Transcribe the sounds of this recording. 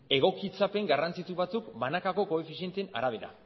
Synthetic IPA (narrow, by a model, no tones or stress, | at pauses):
e̞ɣ̞o̞kit͡sape̞ŋɡarant͡sit̪uβat͡sukbanakako̞ko̞e̞fisie̞nt̪e̞na̰ɾaβ̞e̞ɾa̰